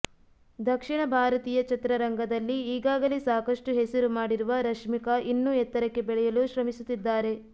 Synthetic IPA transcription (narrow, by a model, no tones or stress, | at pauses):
d̪ʱɐkʂiɳɐbʱaːɾɐt̪iːjɐt͡ʃɐt̪ɾɐɾɐŋɡɐd̪ɐlːiːɡaːɡɐlesaːkɐʂʈuɦesɐɾumaːɽiɾuʋɐɾɐkʂmikɐʔinːuɛt̪ːɐɾɐkːe̞bɛɭɛjɐluʃɾɐmisut̪ːid̪ːaːɾe̞